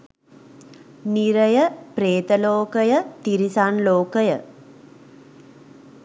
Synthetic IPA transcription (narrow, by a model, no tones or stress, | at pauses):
niɾəjəpɾeːt̪əloːkəjət̪iɾisanloːkəjə̰